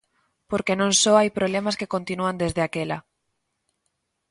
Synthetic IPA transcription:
poɾkenõŋsoajpɾoβlemaskekont̪inuand̪ezðeakela

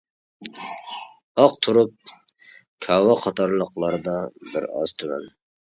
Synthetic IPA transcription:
ɑqt̪ʰuɾup̚ | kʲʰɑwɑqʰɑt̪ʰɑɾlˠəqlˠɑɾɨd̪ɑbɪɾɑ̰z̥t̪ʰyvæ̰n

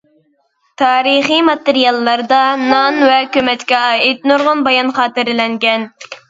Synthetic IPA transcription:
t̪ʰɑːɾɨχimɑt̪ɨɾijɑlˠːɑɾd̪ɑnɑnvɛkʲømɛt̪kʲɛɑːit̪nuɾʁʊnbɑjɑnχɑːt̪ɨɾlɛŋɡʲɛn

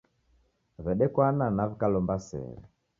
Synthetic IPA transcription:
vɛɗɛkwananavikalɔmbasɛ̰ɾɛ

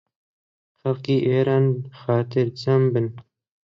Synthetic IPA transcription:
xalqiːʔeːɾɑːnxɑːt̪ʰɪɾt͡sɐmbɨn

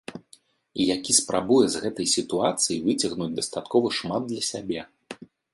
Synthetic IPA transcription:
ijakʲispɾʔabujɛzɣɛt̪ɐjsʲit̪uat̪sɨjivɨt͡sʲɐɣnud͡zʲd̪ɐst̪at̪kɔvɐʂmad̪̚ːlʲɐsʲabʲɛ

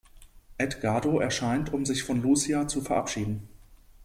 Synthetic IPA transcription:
ʔɛtɡ̥aɐdoʔɛɐʃaɪntʊmzɪçfɔnluːsiat͡sufɛɐʔa̰pʃiːdn̩

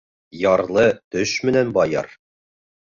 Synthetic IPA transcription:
jɒɾlˠɤt̪ɵʃmɘ̆nænbɒjɑ̰ɾ

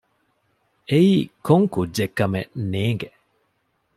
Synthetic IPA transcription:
eiːkoŋkudʒekːɐmḛneːŋɡe

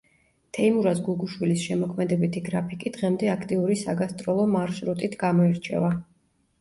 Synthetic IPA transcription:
t̪ʰɛimuɾasɡuɡuʃwilisʃɛmɔkʰmɛd̪ɛbit̪ʰiɡɾapʰikʼid̪̥ʁɛmd̪ɛakʰt̪ʼiuɾisaɡast̪ʼɾɔlˠɔmaɾsɾut̪ʼit̪ʰɡamɔɛɾt͡ʃʰɛ̰va

